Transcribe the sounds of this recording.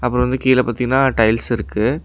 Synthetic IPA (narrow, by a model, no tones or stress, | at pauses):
ɐpːɯɾɔ̃ʋɐnd̪ɯkiːlɛpaːt̪ːiŋɡɐnːaːʈɐɪlsɪɾɯkːɯ